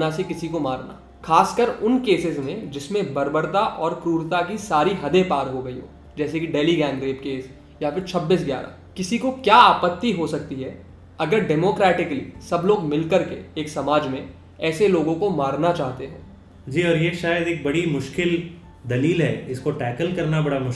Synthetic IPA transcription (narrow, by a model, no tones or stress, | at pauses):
nasekɪsikomaːɾna̰ː | xaːskəɾʊnkeːsɪzmẽd͡ʒɪsmẽbɐɾbəɾt̪aʔɔːɾkɾuːɾt̪akisaːɾiɦɐd̪epaːɾɦoɡɐiɦo̰ː | d͡ʒɛːsekiɖeːliɡɛ̃ːŋɡɾeːpkeːs | jafɪɾt͡ʃʰɐbːiːs̬ɡja̰ːɾa̰ːkɪsikokjaaːpət̪ːiɦosɐk̚t̪iɦɛː | ɐɡəɾɖɛːmoːkɾɛːʈɪkəlḭsɐbloːɡmɪlkɐɾkeːksɐmaːd͡ʒmẽ | ɛːseloːɡõkomaːɾnat͡ʃaːɦt̪eɦɛ̰̃ː | d͡ʒiːɔːɾjeʃaːjəd̪eːk̚bɐɽimʊʃkɪl | d̪ɐliːlɦɛːɪskoʈɛːkəlkɐɾnabɐɽamʊʃ